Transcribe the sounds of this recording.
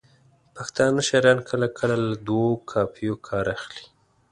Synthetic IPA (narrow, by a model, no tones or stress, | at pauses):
paxt̪ɑnəʃaɾjɑnkʰəlakʰəlalad̪wokʰɑpijokʰɑɾaxli̥